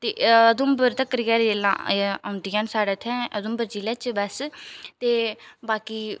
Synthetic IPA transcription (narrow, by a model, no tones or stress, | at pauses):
t̪ḛːəd̪ʊmbəɾt̪əkɾɡɛːɾd͡ʒeːlã̰ːãʊ̃nd̪ijãːnsaːɽɛːt̪ʰɛ̃ːəd̪ʊmbəɾd͡ʒiːlɛːt͡ʃbəst̪eːbaːkiː